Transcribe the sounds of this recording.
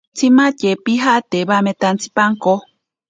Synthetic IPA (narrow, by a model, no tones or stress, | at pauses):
t͡sʰimãcepiɦaʔt̪eβamẽt̪ant͡sʰi̥paŋko